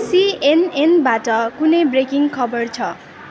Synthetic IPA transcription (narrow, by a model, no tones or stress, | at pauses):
sienenbaʈʌkunʌjbrekiŋkʰʌbʌrt͡sʰʌ